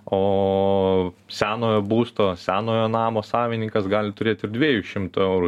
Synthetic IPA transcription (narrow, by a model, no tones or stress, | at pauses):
oː | sʲæːnoːjoːbuːst̪oːsʲæːnoːjoːnɑːmoːsɑːʋʲɪnʲɪŋkɐsɡɑːlʲɪt̪ʊɾʲeːt̪ɪɾd̪ʲʋʲiɛjuʃʲɪmt̪ʊɛʊɾu